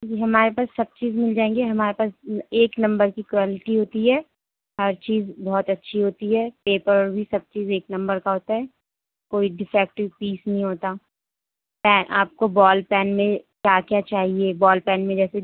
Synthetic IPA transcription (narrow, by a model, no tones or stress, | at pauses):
d͡ʒiɦɐmaːɾepaːsːɐb̚t͡ʃiːzmɪld͡ʒãːẽːŋɡeɦɐmaːɾepaːseːknɐ̃mbəɾkikʋaːlɪʈiɦoːt̪iɦɛː | ɦɐɾt͡ʃiːzbɔːt̪ɐtːʃʰiɦoːt̪iɦɛːpeːpəɾɔːɾbʱisɐb̚t͡ʃiːzeːknɐ̃mbəɾkaɦoːt̪aɦɛː | koːiɖɪfɛːk̚ʈɪʋpiːsnɐɦĩɦoːt̪a | pɛːnʔa̰ːp̚kobɔːlpɛːnmẽkjaːkjat͡ʃaːɦiebɔːlpɛːnmẽd͡ʒɛːse